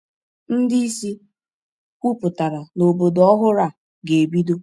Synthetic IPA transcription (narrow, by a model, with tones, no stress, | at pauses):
n̩˦di˦i˦si˦ | kʷu˦pʊ˨ta˨ɾa˨no˨bo˨dɔ˦ɦʊ˦ɾa˨ | ɡe˨bi˦do˦